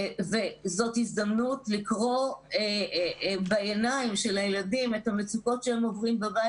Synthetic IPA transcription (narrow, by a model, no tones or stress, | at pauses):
vezo̞thizdɐmnutlikʁo̞e | baenajimʃe̞lajeladimethamet͡suko̞tʃeemo̞vʁimbabaj